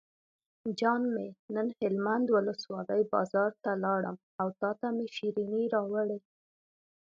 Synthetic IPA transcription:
d͡ʒɑnmenənhɪlmand̪wʊləswɑləjbɑ̰zɑɾt̪alɑɽə̰m | awt̪ɑt̪ameʃiɾiniɾɑwəɽe

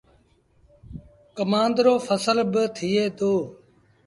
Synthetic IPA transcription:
kəmãːnd̪ɾoːfʰəsəlbət̪ʰiːeːd̪oː

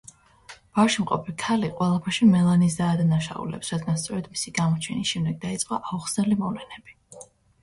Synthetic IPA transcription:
b̥afʃimqʼɔpʰikʰaliqʼwɛlˠapʰɛɾʃimɛlˠanis̬d̪aːd̪anaʃa̰ṵlɛ̰psɾad̪ɡanst̪sʼɔɾɛd̪misiɡamɔt͡ʃʰɛnisʃɛmd̪ɛɡ̚d̪ait̪sʼqʼaʔauχsnɛlimɔvlɛnɛb̥i

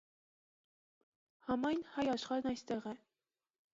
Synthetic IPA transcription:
hɑmɑjnhɑjɑʃχɑɾnɑjst̪ɛʁɛ

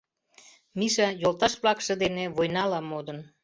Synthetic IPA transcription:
miʃɑjolt̪ɑʃβlɑkʃɤ̆d̪eneβojnɑlɑmod̪ən

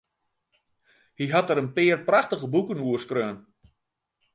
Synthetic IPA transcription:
hiɦatəɾənpɪːrpraxtəɣəbukənuəskrøːn

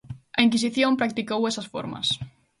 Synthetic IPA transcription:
ɐiŋkis̬iθjõmpɾak̚t̪ikowesɐsfo̰ɾmɐ̰s

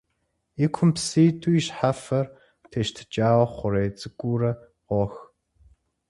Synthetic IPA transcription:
ikʷʰʊmpsiːtʰʼuiɕħafɐr | tʰeʃtʰɨ̥t͡ʃʼaːwɐχʷʊɾeːt͡sʼɨkʷʼuːɾɐ | ʁʷɔx

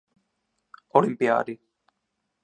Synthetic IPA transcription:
olimpija̰ːɾi

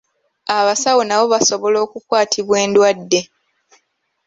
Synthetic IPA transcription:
aβasawonaβo̞βaso̞βo̞lo̞ːkukwaːtʰiβwe̞ːndwadːe̞

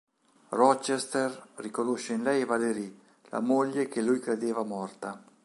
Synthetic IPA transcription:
rɔt͡ʃest̪errikonoʃːeinlɛjvaleɾi | la̰molːek̟elujkɾed̪eːvamɔrt̪a

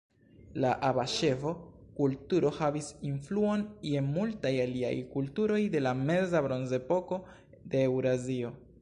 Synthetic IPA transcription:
laʔabaʃe̞vo̞kultuɾo̞havisinfluo̞nie̞multajalia̰jkultuɾo̞jde̞lame̞zabɾo̞nze̞po̞ko̞ | de̞ːwɾazio̞

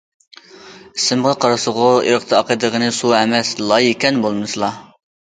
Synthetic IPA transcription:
isɪmʁɑqʰɑɾɑsʊʁʊḭɾəχt̪ʰɑɑqəd̪əʁənɨsuɛmɛslˠɑjikʲɛnbolˠmɨsɨlˠɑ

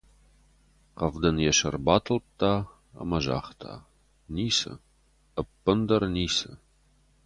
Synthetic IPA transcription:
qɐvd̪ɐnjɛʃɐrbaːtʰɨlp̚t̪ʰaː | ɐ̰mɐʒa̰ːχtʰa̰ː | niːsɨ̰ | əpːənd̪ɐrniːsɨ

